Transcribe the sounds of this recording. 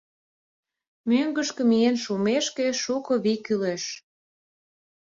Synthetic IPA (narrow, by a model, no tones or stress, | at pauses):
møŋɡəʃkĕmienʃumeʃkeʃukoβikyleʃ